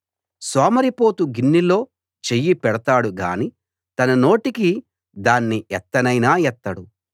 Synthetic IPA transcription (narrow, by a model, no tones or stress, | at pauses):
soːmɐɾipo̞ːt̪uɡinːilo̞ː | t͡ʃejːipɛɽɐt̪aːɽuɡa̰ːni | t̪ɐnɐno̞ːʈiki | d̪aːnːiʔɛt̪ːɐnɐjnaːjɛt̪ːɐɽu